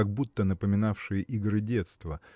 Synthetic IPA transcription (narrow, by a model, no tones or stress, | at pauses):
aɡ̚but̪ːənəpəmʲɪnafʂɨjəʔiɡɾɨdʲe̞t̪st̪və